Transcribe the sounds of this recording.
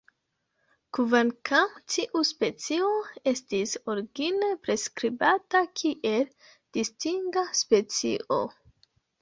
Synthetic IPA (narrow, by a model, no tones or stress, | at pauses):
kuvankʰamtiʔuspe̞t͡sioe̞stisoɾɡinepɾe̞skɾibatakʰiʔe̞l | d̥istiŋɡaspe̞t͡sḭʔo̰